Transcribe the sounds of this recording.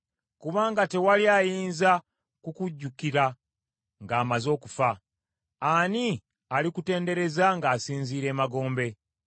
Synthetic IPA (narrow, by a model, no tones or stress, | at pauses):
kuβaːŋɡate̞waljajiːnza | kukuɟːukiɾa | ŋɡaːmazo̞ːkufa | ani | alikute̞ːnde̞ɾe̞zaŋɡaːsiːnziːɾe̞ːmaɡo̞ːmbe̞